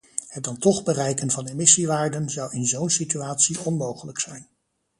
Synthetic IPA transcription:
hət̚dɑntɔχbərɛjkənvɑnemɪsiʋaːɹdənzɑwɪnzownsityaːtsiɔnmowχələksɛjn

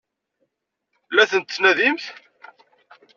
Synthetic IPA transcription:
læθənt̪snæðimθ

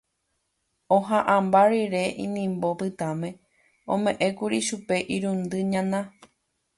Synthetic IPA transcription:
õɦãʔãmbaɾiɾe̞ʔḭ̃nĩmbopɨt̪amẽ̞ | õmẽ̞ʔẽkuɾiʃupe̞ʔiɾũnd̪ɨɲãnã

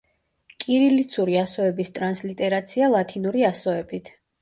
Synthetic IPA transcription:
kʼiɾilit̪sʰuɾiasɔɛbist̪ʼɾanslit̪ʼɛɾat̪sʰialˠat̪ʰinuɾiasɔɛbit̪ʰ

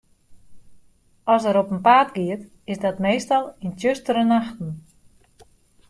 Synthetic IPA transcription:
ɔsəɾopənpaːtɡiət | ɪsdɔtmeːstalˠintjøstəɾənaxtn̩

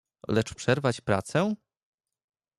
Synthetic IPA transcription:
lɛt͡ʂpʂɛɾvat͡ɕpɾat̪sɛ

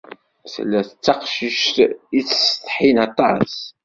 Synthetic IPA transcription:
θlːæθət͡sːɑqʃiʃt̪it͡sːə̥st̪ˤħinɑt̪ˤɑs

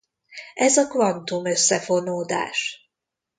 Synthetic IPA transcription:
ɛzɒkvɒnt̪umø̞sːɛfo̞noːd̪a̰ːʃ

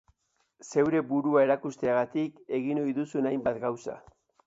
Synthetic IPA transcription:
se̞wɾe̞buɾuae̞ɾakust̪eaɣat̪ike̞ɣino̞jðusunajmbat̪ɡawsa̰

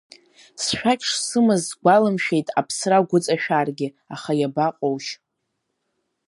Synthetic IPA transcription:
sʃᶣakʲʼʰʂsɨmɨzːɡʷalɨmʃᶣe̞jtʼapʰsraɡʷʊt͡sʼaʃᶣarɡʲɪ | aχajabaqʼowʃ

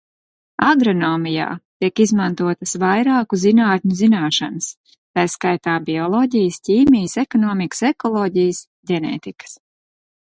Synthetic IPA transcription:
aɡɾɔnɔːmija̰ːt̪iɛkizmant̪uɔt̪əsvajɾaːkuzinaːt̪ʲɲuzinaːʃa̰nəs | t̪ajskajt̪aːbiɔlˠɔːɟijəsciːmijəsɛkɔnɔːmikə̥sɛkɔlˠɔːɟijəs | ɟɛnɛ̰ːt̪ikə̥s

